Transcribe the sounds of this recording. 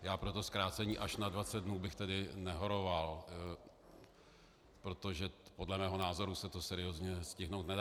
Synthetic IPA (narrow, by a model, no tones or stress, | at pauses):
jaːpɾo̞t̪o̞skɾaːt͡sɛɲiːʔaʃnadvat͡sɛd̪̚dnuːbɪxt̪ɛdɪnɛɦo̞ɾo̞val | pɾo̞t̪oʒɛpo̞dlɛmɛːɦo̞naːzo̞ɾusɛt̪o̞sɛɾɪjoːzɲɛscɪɦno̞wt̪nɛda